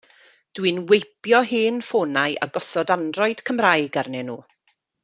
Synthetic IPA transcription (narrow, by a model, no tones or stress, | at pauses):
d̥wɨnwejpjɔɦɨːnfoːnajʔa̰ɡɔsɔdandrɔɨd̥kʰəmrajɡarnɛnuː